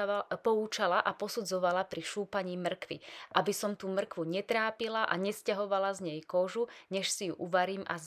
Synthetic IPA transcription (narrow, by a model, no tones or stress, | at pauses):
pɔut͡ʃalaʔapɔsud͡zɔʋalapɾiʃuːpaɲiːmr̩kʋḭʔabisɔmt̪uːmr̩kʋuɲɛt̪ɾaːpilaʔaɲɛscaɦɔʋalazɲɛjkɔʒuɲɛʃsijṵʔuʋaɾiːmʔaz